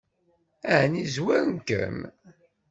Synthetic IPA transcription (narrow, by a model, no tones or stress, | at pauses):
ænizwæɾnkə̰m